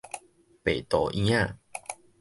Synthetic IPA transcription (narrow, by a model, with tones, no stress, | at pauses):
pe˨˩t̪ɔ˨ʔĩ˦ã˥˧˨